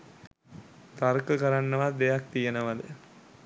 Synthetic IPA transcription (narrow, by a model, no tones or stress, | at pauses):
t̪aɾkəkɐɾanːəʋad̪ejak̚t̪ijenəʋɐd̪ə